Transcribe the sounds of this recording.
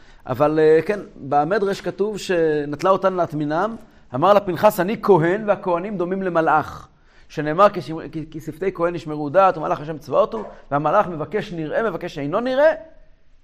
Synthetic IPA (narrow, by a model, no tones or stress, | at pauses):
ʔa̰valkenbeame̞d̪ʁeʃkatuvʃe̞nat̪laot̪anleat̪minam | amaʁlapinχasaniko̞ɦe̞nveako̞hanimd̪o̞mimle̞malʔaχ | ʃe̞ne̞ːmaʁkiʃkisift̪e̞jkohe̞nːiʃmeʁud̪at̪uma̰lʔaχaʃ̬emt͡svaot̪uvehamalaχme̞vake̞ʃniʁʔe̞me̞vake̞ʃejno̞niʁʔe̞